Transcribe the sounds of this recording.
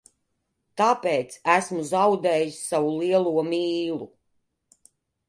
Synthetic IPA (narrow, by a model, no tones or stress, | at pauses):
t̪apʲɛːt̪sæsmuzawd̪ɛːjisʲsavuliɛlˠuɔmiːlˠu